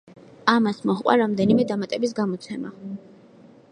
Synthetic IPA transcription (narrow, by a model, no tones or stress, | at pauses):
amasmɔχʼwa̰ɾamd̪ɛnimɛd̪amat̪ʼɛbis̬ɡamɔt̪sʰɛma̰